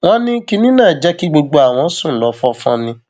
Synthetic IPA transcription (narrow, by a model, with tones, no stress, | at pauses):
w̃ɔ̃˦nĩ˦ki˧nĩ˦nãː˦˨d͡ʒɛ˦ki˦ɡ͡bo˧ɡ͡bo˧a˨w̃ɔ̃˨˧˦sũ˦˨lɔ˨˦fɔ˧˦fɔ̰̃˧nĩ˧